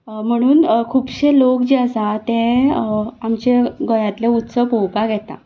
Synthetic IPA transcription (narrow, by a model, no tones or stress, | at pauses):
m̤əɽ̃uːnkʰuːbɕelokd͡ʑeəsat̪ẽ | amt͡ɕeɡəjat̪leut̪səpowpaɡʱɛt̪a̰